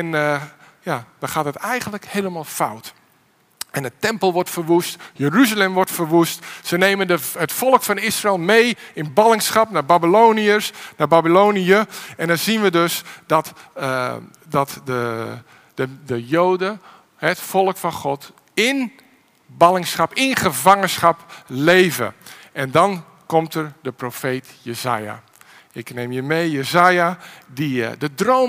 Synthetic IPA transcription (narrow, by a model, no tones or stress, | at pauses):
ɛn | jaːdɔχaːtɦətɛjɣəndləkheːləmaːlˠfawt | ɛndətɛmpəlˠʋɔrtfərʋustjəryzəlɛmʋɔrtfərʋustsəneːmənəətfɔlˠəkfɑnɪsrɪlˠmejɪnbɑlɪŋsχɑpnaːbabiloːniəsnaːbabiloːniəɛndɔzinʋədøsdɔt | dɔtdə | ədəjoːdə | həɛtfɔlˠkfɑnχɔt | ɪn | balɪŋsχɑpɪnχəvaŋənsχapleːvə̰ | ɛndɔn | kɔmtərdəprofeːtjəza̰ːja̰ | ɪkneːmjəmeːjəzaːjadidədroː